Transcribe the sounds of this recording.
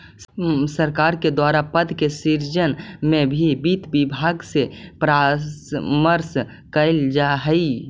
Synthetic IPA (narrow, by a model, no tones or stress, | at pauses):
səɾkaːɾked̪waɾapəd̪kesiɾd͡ʒənmẽbʱibit̪bibʱaɡsepɾasməɾs | kəɪld͡ʒaɦəi